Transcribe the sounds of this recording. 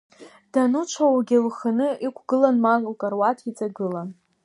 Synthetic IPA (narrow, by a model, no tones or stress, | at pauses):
d̥anut͡ʃʷʰawaɡʲɪlχanɨikʷʰɡ̥ɨlanmallkʼarwatʰit͡sʼaɡɨlan